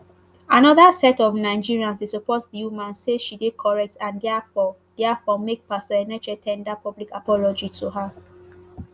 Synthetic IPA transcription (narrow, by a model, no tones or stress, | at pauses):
anɔðasɛtɔvnaɪd͡ʒiɹiãnsdesupɔtdijumãnseʃidekʰɔɹɛk̚tãndɛafɔ | d̥ɛafɔmek̚pastɔɛnɛd͡ʒɛtʰɛ̃ndapɔblikapɔlɔd͡ʒitʰuɦa